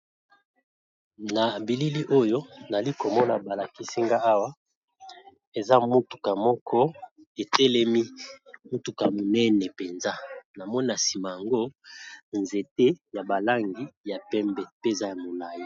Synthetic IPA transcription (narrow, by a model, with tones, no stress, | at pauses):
na˨bi˨li˦li˦ʔo˦jo˦na˨li˦ko˨mɔ˦na˨ba˨la˨ki˦si˦ŋɡa˦a˦wa˦ | e˨za˦mu˦tu̥˨ka˨mɔ˦kʰɔ˦ | e˨tɛ˦lɛ˦mi˦mu˦tu˨ka˨mo˨nɛ˦nɛ˨pɛ˨nza˦na˨mɔ˦ni˦na˨si˨ma˨ja˨ŋɡo˦nze˨te˦ja˨ba˨la˦ŋɡi˨ja˨pɛ˦mbɛ˨pe˦e˨za˦ja˨mo˨la˨ji˦˨